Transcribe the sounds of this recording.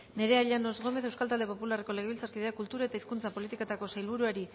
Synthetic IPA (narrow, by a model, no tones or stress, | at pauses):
ne̞ɾe̞aʎanozɣo̞me̞θe̞wskalt̪ald̪e̞po̞pulareko̞le̞ɣilt͡saɾkiðe̞akult̪uɾae̞t̪aiskunt͡sapo̞lit̪iket̪ako̞sajlβ̞uɾuaɾi